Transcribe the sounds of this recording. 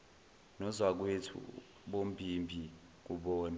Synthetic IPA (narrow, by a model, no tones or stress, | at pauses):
nɔzwak̬wetʰṵ | ɓom̩bʱimbʱi | k̬uɓɔːna